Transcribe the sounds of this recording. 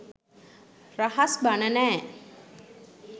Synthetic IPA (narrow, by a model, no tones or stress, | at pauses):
rahasbanənæː